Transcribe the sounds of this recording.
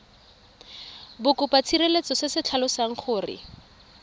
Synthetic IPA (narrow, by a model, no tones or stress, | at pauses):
bʊkʊpat͡sʰirelet͡sɔsɪsɪt͡ɬʰalɔsaŋ̩χʊːrɪ̰